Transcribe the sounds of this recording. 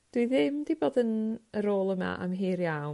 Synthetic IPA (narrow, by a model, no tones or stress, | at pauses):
d̥wiðɪmdiboːdənəɾoːlˠəma̰ʔa̰mɦiːrjaw